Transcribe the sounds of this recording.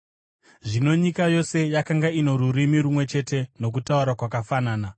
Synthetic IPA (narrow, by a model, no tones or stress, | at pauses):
ʐino̞ɲikajo̞se̞jakaŋɡaino̞ɾuɾimiɾumwe̞t͡ʃe̞te̞no̞k̬utauɾakwakafanaːna